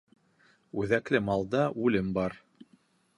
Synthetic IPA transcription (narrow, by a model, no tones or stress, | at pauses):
ʉðæklɘmɑlˠd̪ɑʔʉlɘmbɑɾ